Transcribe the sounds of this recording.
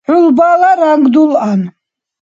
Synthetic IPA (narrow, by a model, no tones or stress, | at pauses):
ħulbalaɾaŋɡd̪ulan